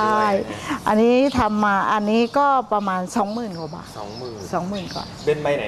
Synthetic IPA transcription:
a˥˩jʔa˧nːiː˦˥t̪ʰa˧mːaː˧ʔa˧nːiː˦˥kɔː˥˩pa˧maː˧nsɔː˩˦ŋmɯː˨˩nkwaː˨˧˩ba̰ː˨˩ɔ̰˨˩˦ŋɯː˨sɔː˩˦ŋmɯː˨˩nkwa̰ː˨˩pe˧nma˧˦

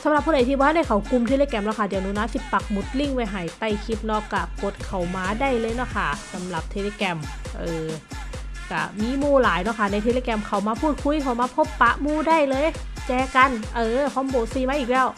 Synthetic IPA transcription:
sa˨˦mla˨˩pʰːuː˧˩da˨˦jt̪i˧˩bɔ˧ha˥˩da˧˥˩jkʰa˨˩˦wku˧mt̪ʰeː˧leː˧˥kɛ˧mlɛː˧˩kʰa˧˥˩dɛː˨˩nuː˧˨naː˧˥˩si˧˩pa˨˩k̚mu˨˦t̪̚li˧˥˩ŋwa˧jɦaː˨˩˦jt̪a˧˩jkʰi˧˥p̚nɔː˧˩kːa˧˩ko˨˩t̪̚kʰa˨˩wmaː˧daː˥˩jlɤː˧jnɔ˧˥˩kʰa˥˩sa˨˦mla˨˩p̚t̪ʰe˧le˧˩kɛ˧mʔɤː˧˩ | ka˧˩miː˧˥muː˧˩laː˨˦jnɔ˧˥˩kʰa˥˩na˧jt̪ʰeː˧leː˧kɛ˧mkʰa˨˩wmaː˧pʰuː˥˩t̪̚kʰu˧˥˨jkʰa˧˨˩wmaː˧pʰo˦˥˩pːa˧˥ʔmuː˧˩˨daː˥˩jlɤː˧˨j | t͡ɕɛː˧ka˧nʔɤː˧pʰɔ˧˥˦mboː˨˩siː˧maː˧˥ʔiː˨˩k̚lɛː˦˥˩w

